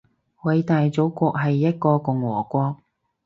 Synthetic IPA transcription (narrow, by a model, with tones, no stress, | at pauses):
wɐ˨˧jt̪aː˨jt͡so˨˥wkʷɔː˧k̚ɦɐ˨jːɐ˥t̚kɔː˧kʊ˨ŋwɔː˨˩kʷɔː˧k̚